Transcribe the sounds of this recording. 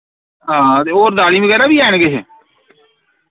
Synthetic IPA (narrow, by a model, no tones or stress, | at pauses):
ɦãːt̪eːoːɾd̪aːlĩːʋəɡɛːɾaːbiːɛːɳ̃ɡeːɦɛ̰ː